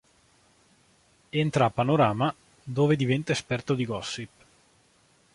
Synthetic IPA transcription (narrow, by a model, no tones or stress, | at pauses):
ent̪ɾapːanoɾaːma | d̪oːved̪ivɛnt̪aespɛrt̪od̪iɡɔsːip